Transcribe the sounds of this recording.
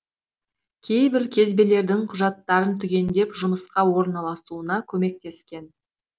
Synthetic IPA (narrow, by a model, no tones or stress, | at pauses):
kʲʰe̞jbɪɾkʲʰe̞zbe̞le̞ɾd̪ɪŋqʰʊʒɑt̪ːɑɾənt̪ʰʏɡʲe̞nd̪e̞pʒʊməsqɑwo̞ɾnɑlˠɑsuənɑkʲʰɵme̞k̚t̪e̞skʲe̞n